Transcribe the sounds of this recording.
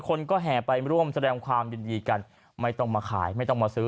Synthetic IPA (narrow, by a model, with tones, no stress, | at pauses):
kʰo˧nkɔː˥˩ɦɛː˨˩˦pa˧jɾu˥˩əmsa˧dɛː˧ŋkʰwaː˧mjɯː˧ndiː˧ka˧n | ma˥˩jt̪ɔ˥˩ŋmaː˧kʰa̰ː˩˦jma˥˩jt̪ɔ˥˩ŋmaː˧sɯː˦˥